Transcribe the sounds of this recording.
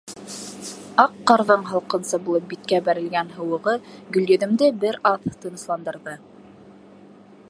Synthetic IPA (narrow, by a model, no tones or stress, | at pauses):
ɑqːɑ̆ɾðɤɴɦɑlˠqɤ̆nsɤbulˠɤp̚bit̪̚kæbæɾɘ̆lɡænɦɤ̆wɤ̆ʁɤɡɵ̆ljɵ̆ðɘ̆md̪ɘbɘɾɑθt̪ɤ̆nɤ̆slˠɑnd̪ɤ̆ɾðɤ